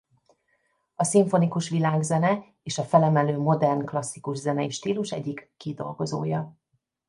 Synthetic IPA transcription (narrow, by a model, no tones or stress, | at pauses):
ɒsiɱfo̞nikuʃʋilaːɡzɛnɛ | eːʃɒfɛlɛmɛløːmo̞d̪ɛrnklɒsːikuʒzɛnɛiʃt̪iːluʃɛɟːikːid̪o̞̰lɡo̞zo̰ːjɒ